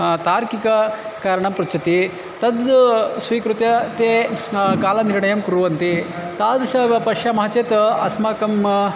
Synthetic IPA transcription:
t̪aːɾkikɐkaːɾɐɳɐmpɾut͡ʃɐt̪i | t̪ɐd̪sʋiːkɾut̪jɐt̪eːkaːlɐniɾɳɐjɐmkuɾuʋɐnt̪it̪aːd̪ʃɐɡɐpɐʂjɐmɐɦɐt͡ʃeːt̪ɐɐsmaːkɐm

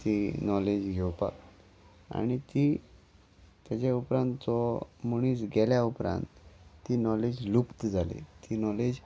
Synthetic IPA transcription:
t̪inɔled͡ʑɡʱewpa̰k | a̰ñit̪i | t̪jat͡ɕaupɾãnt̪t͡sɔmoɳ̃iːsɡɛljaupɾã̰nt̪ːiːnɔled͡ʑlupt̪d͡zʱalḛt̪inɔled͡z

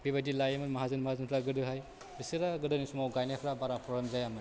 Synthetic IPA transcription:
bibadilajemɯtmaɦazɯnmahazɯnpʰɾaɡɯdɯɦaj | bisɯɾaɡɯdɯnisumawɡajniakʰɾabaɾapʰɔɾamzajamɯ

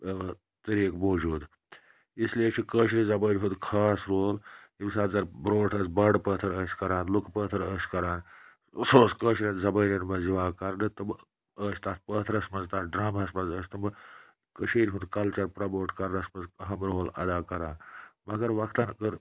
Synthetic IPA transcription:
t̪ɐɾiːkmoːd͡ʒuːd̪ | islieʃʰikəːʃ̬ɾʲizɐbəːɾʲɦũnd̪kʰaːsɾoːlibʲsaːt̪zɐɾbɾoːʈʰəːsbɐɖpəːt̪ʰɐɾəːsʲkɐɾaːnlukpəːt̪ʰɐɾəːsʲkɐɾaːn | soːskəːʃɾʲɐnzɐbəːɾʲɐnbɐziʋaːkɐɾnɨt̪ɐm | əːsʲt̪aːt̪̚pəːt̪ʰɾɐsmɐzt̪aːɖɾaːmɐsmɐzəːsʲt̪ɐmɨ | kɐʃiːɾʲɦund̪kɐlt͡ʃɐɾpɾɐboːʈʰkɐɾnɐsmɐzɐɦɐmɾoːlɐ̰d̪aːkɐɾaːnmɐɡɐɾʋɐkt̪ankəɾ

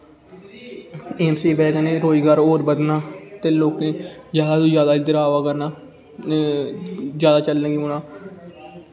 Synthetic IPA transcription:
eːmsiːbɛːkənẽːɾoːd͡ʒɡaːɾoːɾbəd̪naːt̪eːloːkẽːd͡ʒjaːd̪aːd̪õːzjaːd̪aːd̪əɾaːʋaːkəɾnaː | zjaːd̪aːt͡ʃəlːə̃ːɡũːnaː

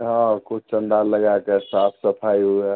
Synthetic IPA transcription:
ɦãkʰub̚t͡ʃənd̪aləɡakesap̪ʰsəpʰaju

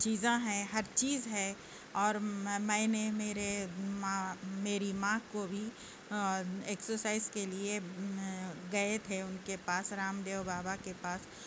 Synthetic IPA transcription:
t͡ʃiːzãɦɛ̃ɦɐɾt͡ʃiːzɦɛ | ɔːɾmɛ̃ːnemeːɾemãmeːɾimãkobʱi | eːksəɾsaːɪzkelie | ɡɐet̪ʰeʊnkepaːsɾaːmd̪eːʋbaːbakepaːs

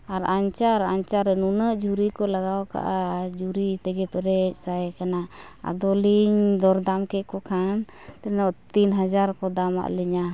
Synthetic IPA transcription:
aɾaɲt͡ʃaɾaɲt͡ʃaɾɛnunəʔd͡ʒuɾikɔlaɡawka̰ʔad͡ʒuɾit̪ɛɡɛpɛɾɛc̚sajkana | a̰d̪ɔliɲd̪ɔɾd̪amkɛʔkɔkʰan | t̪ɛnɔʔt̪inɦad͡ʒaɾkɔd̪ama̰ʔlɛɲa

